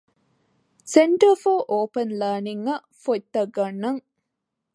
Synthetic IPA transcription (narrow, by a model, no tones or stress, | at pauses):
seɳʈɐfoːʔoːpɐnlɐːniŋːɐ | fot̪ːɐɡːɐnːɐŋ